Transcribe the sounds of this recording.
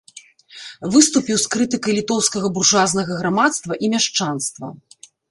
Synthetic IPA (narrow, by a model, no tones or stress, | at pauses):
vɨst̪upʲiwskɾɨt̪ɨkɐjlʲit̪ɔwskɐɣɐburʐaznɐɣɐɣɾamat̪st̪vɐʔimʲaʂt͡ʂanst̪vɐ